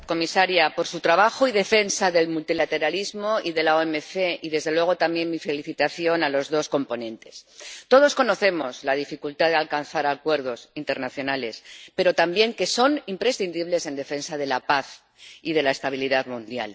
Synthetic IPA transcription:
ko̞misaɾjapo̞ɾsut̪ɾaβaxoiðe̞fe̞nsaðe̞lmult̪ilat̪e̞ɾalizmo̞iðe̞laoemeθe̞iðe̞zð̞e̞lwe̞ɣ̞o̞t̪amje̞nmife̞liθit̪aθjo̞nalo̞zðo̞sko̞mpo̞nẽ̞nt̪e̞̥st̪o̞ð̞o̞sko̞no̞θe̞mo̞zlað̞ifikult̪aðealkanθaɾakwe̞ɾð̞o̞sint̪e̞ɾnaθjo̞nale̞spe̞ɾo̞t̪ambje̞ŋke̞so̞nimpɾe̞sθind̪iβle̞se̞nd̪e̞fe̞nsað̞e̞lapaθ | iðe̞lae̞st̪aβ̞iliðaðmũnd̪ja̰l

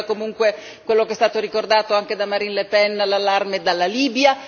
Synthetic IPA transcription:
komuŋkwe | kwelːokeɛst̪aːt̪oɾikord̪aːt̪oaŋk̟ed̪amaɾinlepɛnlalːarmed̪alːaliːbja

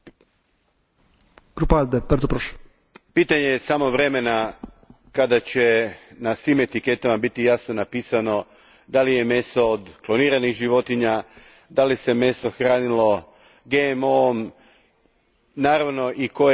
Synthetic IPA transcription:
kɾupald̪epəɾt̪opɾoʃ | piːt̪aɲejesamo̞ʋɾe̞me̞na | kad̪at͡ɕe̞nasʋiːme̞t̪ike̞t̪amabit̪ijaːsno̞napiːsano̞ | d̪alije̞me̞sood̪klˠo̞niːɾaniɣʒiʋo̞t̪iɲa | d̪alise̞me̞so̞xɾaːnilo̞ | ɡeemom | naːɾaʋno̞ʔiko̞

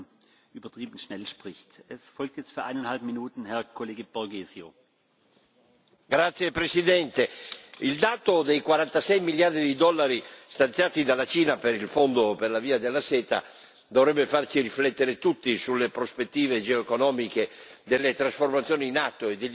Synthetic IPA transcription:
yːbɐtʁ̥iːbn̩ʃnɛlʃpʁ̥ɪçtɛsfɔlk̚tjɛt͡st̪fyːɐʔaɪnanhalpminuːtn̩hɛɐkʰoleːɡəb̥ɔɐɡeːzjo̰ | ɡɾat̪sːjepɾesid̪ɛnt̪eild̪aːt̪od̪ejkwaɾant̪asɛjmiljard̪ɾid̪id̪ɔlːaɾist̪ant̪jaːt̪id̪alːat͡ʃiːnapeɾilfond̪operlaviːad̪elːasɛːt̪a̰ | d̪ovɾɛbːefart͡ʃiɾiflɛt̪ːeɾet̪ut̪ːisulːepɾospet̪ːiːved͡ʒeoekonɔːmiked̪elːet̪ɾasformat̪sːjoːniːnat̪ːoed̪eʎ

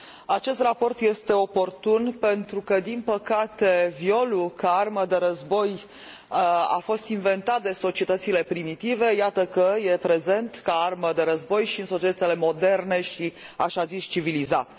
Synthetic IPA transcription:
at͡ʃe̞st̪rapo̞rt̪je̞st̪e̞o̞po̞rt̪unpe̞nt̪ɾukəd̪inpəkat̪e̞vio̞lukaarməd̪e̞ɾəzbo̞j | a̰fo̞st̪inve̞nt̪at̪̚d̪e̞so̞t͡ʃiet̪ət̪sile̞pɾimit̪ive̞jat̪əkəjepɾe̞ze̞nt̪kaarməd̪e̞ɾəzbo̞jʃiɨnso̞t͡ʃiet̪ət̪sile̞mo̞d̪e̞rne̞ʃiaʃazist͡ʃivilizat̪

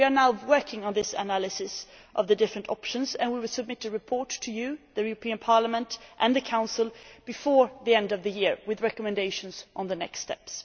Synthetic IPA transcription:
wiə˞naʊwɜ˞kʰɪ̃ŋə̃nðɪsɨ̰nælˠɨsɨsʔʌvðɨdɪfɹɨ̃ntʰɑ̰pʃə̃nzɨ̃nwiwɨlˠsɨb̚mɪɾɨɹɨpʰɔɹtʰːɨjɨðɨjʉɹəpʰĩɨ̃npʰɑɹləmə̃ntʔɨ̃nðɨkʰãʊ̃nsl̩ˠb̥ɨfɔɹðiɛ̃ndʌvðɨjɪɹwɨðɹɛkəmɨ̃ndeɪʃɨ̃n̩zʔn̩ðɨnɛ̰kstɛ̰ps

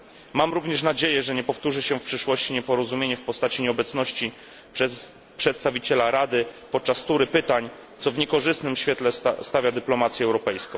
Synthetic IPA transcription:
mamɾuvɲɛʂ̬nad͡ʑejɛʐɛɲɛpɔft̪uʐɘɕɛfpʂɘʂwɔɕt͡ɕiɲɛpɔɾɔzumʲjeɲɛfpɔst̪at͡ɕiɲɛɔbɛt̪snɔɕt͡ɕi | pʂɛt̪st̪avʲit͡ɕɛlaɾad̪ɘpɔt̪̚t͡ʂast̪uɾɘpɘt̪aɲ | t̪sɔvɲɛkɔʐɘst̪nɘmɕfʲɛt̪lɛsst̪avʲjad̪ɘplɔmat̪sʲjɛɛwɾɔpɛjskɔ̃w̃

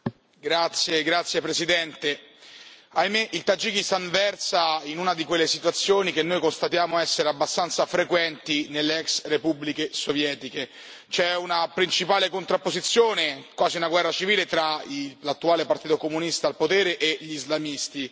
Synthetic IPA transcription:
ɡɾat̪sːjeɡɾat̪sjepɾesid̪ɛnt̪e | ajmeʔilt̪ad͡ʒikist̪anvɛrsainunad̪ikwelːesit̪wat̪sːjoːnik̟enːojkonst̪at̪jaːmoaɛsːeɾeabːast̪ant̪safɾekwɛnt̪inelːeɛksrepublikesovjɛːt̪ike | t͡ʃɛunapɾint͡ʃipaːlekont̪ɾapːozit̪sːjoːnekwaːziunaɡwɛrːat͡ʃiviːlet̪ɾailat̪ːuaːlepart̪iːt̪okomunist̪aːlpot̪ɛːɾeʔeʎizlamist̪i

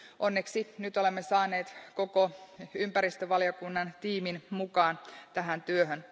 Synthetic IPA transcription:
ʔonːeksinyt̪olemːesɑːneːt̪kokoympæɾist̪øʋɑljokunːɑnt̪iːminmukɑːnt̪æɦænt̪yøɦøn

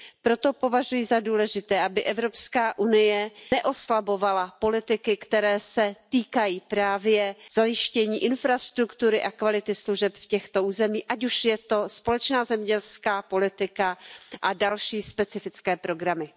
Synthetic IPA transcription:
pɾo̞t̪o̞po̞vaʒujɪzaduːlɛʒɪt̪ɛːʔabɪʔɛvɾo̞pskaːʔunɪjɛnɛʔo̞slabo̞valapo̞lɪt̪ɪkɪkt̪ɛɾɛːsɛt̪iːkajiːpɾaːvjɛz̥ajɪʃcɛɲiːʔɪnfɾast̪ɾukt̪uɾɪʔakvalɪt̪ɪsluʒɛpfcɛxt̪o̞ʔuːzɛmiːʔac̬uʃjɛt̪o̞spo̞lɛt͡ʃnaːzɛmɲɛɟɛlskaːpo̞lɪt̪ɪkaʔadalʃiːspɛt͡sɪfɪt͡skɛːpɾo̞ɡɾamɪ

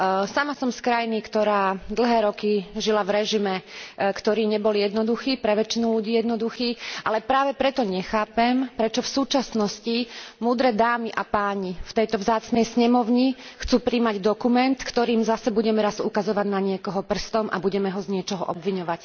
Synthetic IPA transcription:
samasɔmskɾajnikt̪ɔɾaːd̪l̩ˠɦɛːɾɔkiʒilavɾɛʒimɛkt̪ɔɾiːɲɛbɔljɛd̪nɔd̪uxiːpɾɛʋɛt͡ʃinuluɟiːjɛd̪nɔd̪uxiːʔalɛpɾaːʋɛpɾɛt̪ɔɲɛxaːpɛmpɾɛt͡ʃɔfsuːt͡ʃasnɔscimuːd̪ɾɛd̪aːmiʔapaːɲift̪ɛjt̪ɔvzaːt͡snɛjsɲɛmɔʊɲixt͡suːpɾiːmaɟd̪ɔkumɛnt̪kt̪ɔɾiːmzasɛbuɟɛmɛɾazukazɔʋaɟnaɲɪɛkɔɦɔpr̩st̪ɔmʔa̰buɟɛmɛɦɔzɲɪɛt͡ʃɔɦɔʔɔbʋiɲɔʋac

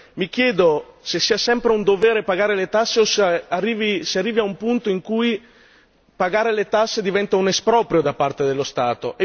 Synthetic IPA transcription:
mik̟jɛːd̪osesːiːasɛmpɾeund̪ovɛːɾepaɡaːɾelet̪asːeosarːiːvisearːiːviaumpunt̪oiŋkuj | paɡaːɾelet̪asːed̪ivɛnt̪aunespɾɔːpɾjod̪apart̪ed̪elːost̪aːt̪o̰e

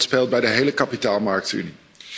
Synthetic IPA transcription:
spelˠt̚bɛjdəɦejləkɑpitaːlˠmɑɹk̚ty̰ni

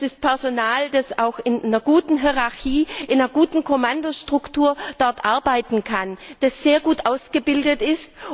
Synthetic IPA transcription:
d̥ɪspʰɛɐzonaːldasaʊxɪnnɐɡuːtn̩ɦiʁaçiːʔɪnɐɡuːtn̩kʰomandoʃtʁ̥ʊktʰuːɐd̥ɔɐtʔaɐbaɪtn̩kʰand̥asz̥eːɐɡuːtʔaʊsɡ̥əbɪldətɪst

